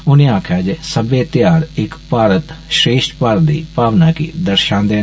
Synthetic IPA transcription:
ʊnẽːaːkʰaːd͡ʒesəbeːt̪jaːɾɪkpaːɾət̪ʃɾeːʃʈpəɾd̪iːpaːʋnaːkiːd̪əɾʃãːnd̪ẽː

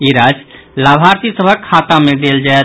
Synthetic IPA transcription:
iɾad͡ʒlabʱaɾt̪isəbʱəkʰːat̪amed̪eld͡ʒaet̪

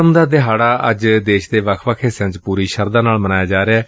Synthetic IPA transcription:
əmd̪aːd̪ɪɦaːɽaːʔə̰d͡ʒd̪eːʃd̪eːʋəkʰʋəkʰeːsə̃ɲd͡ʒpuːɾiːʃəɾd̪aːnaːlmənaːjaːd͡ʒaːɾeɛː

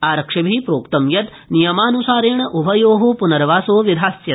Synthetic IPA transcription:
aːɾɐkʂɐbʱipɾoːkt̪ɐmjɐt̪ | nijɐmaːnusaːɾeːɳɐʔubʱɐjoːɦoːpunɐɾʋaːsoːʋid̪ʱaːsjɐ

